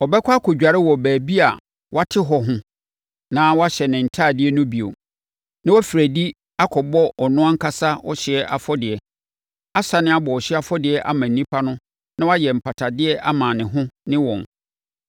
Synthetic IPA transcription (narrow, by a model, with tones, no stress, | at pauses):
ɔ˨bɛ˦kʷʰa˦kʰɔ˨d͡ʑᶣa˨ɾɪ˦wɔ˨bæː˨bi˦a̰˨ | wʔa˦tʰɪ˦ɦɔ˨ɦʊ̃˦ | nã˦wɔ˦a˦ɕɛ˨nɪ̃˨n̩˨tʰaː˦˨dɪ˦ɛ˦nʊ̃˦bi˨o̰˨ | nã˦wɔ˦fi˨ɾæ˨di˦ | a˦kʰɔ˨bɔ˦ɔ˨nʊ̃˦ã˦ŋ̩˦kʰa˦sa˦ɔ̰˦ɕɪ˨ɛ˦ʔa˨fɔ˦dɪ˨ɛ˨ | a˦sa˨nɪ̃˦a˦bɔ˨ɔ˨ɕɪ˦a˦˨fɔ˦dɪ˨ɛ˨˦ʔa̰˦mã˨n̩˨nĩ˦pʰa˦nʊ̃˦ | nã˦wa˦jɛ˨m̩˨pʰa˨tʰa˨dɪ˦ɛ˦ʔa˦mãː˨nɪ̃˨ɦʊ̃˦nɪ̃˦wɔ̃˨n